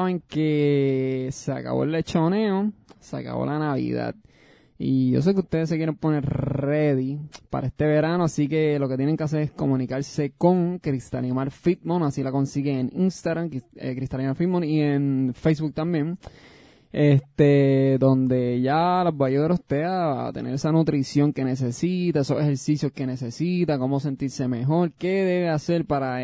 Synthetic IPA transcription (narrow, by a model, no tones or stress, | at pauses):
aβeŋke̞ | sea̰ka̰βo̞̰ele̞t͡ʃo̞ne̞o̞sea̰ka̰βo̞̰lʔanaβḭða̰d̪̚ | iʝo̞̰s̬e̞k̬ust̪e̞ðes̬ːekjeɾe̞mpo̞neɾreðipa̰ɾa̰e̞st̪e̞βe̞ɾanoasike̞lo̞ke̞t̪je̞neŋkeas̬e̞ɾesko̞mũnikaɾse̞ko̞ŋkɾist̪a̰limaɾfit̪̚monasilako̞nsiɣeŋeninst̪aɣɾamkḛkɾist̪alimaɾfit̪̚mõnie̞nfejs̬bβuk̚t̪ambje̞ŋ | e̞st̪ed̪o̞nd̪e̞ʝalozbajoɾost̪ea̰t̪e̞̰ne̞ɾesanut̪ɾisjo̞ŋke̞ne̞s̬e̞sit̪aesose̞he̞ɾsisjo̞ske̞ne̞sesit̪ako̞mo̞se̞nt̪iɾse̞me̞ɦo̞ɾke̞ðe̞βe̞ase̞ɾpaɾa